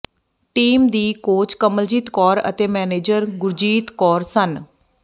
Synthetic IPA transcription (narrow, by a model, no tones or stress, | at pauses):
ʈiːmd̪iːkoːt͡ʃkəməld͡ʒiːt̪kɔːɾə̰t̪eːmɛːneːd͡ʒəɾɡʊɾd͡ʒiːt̪kɔːɾsən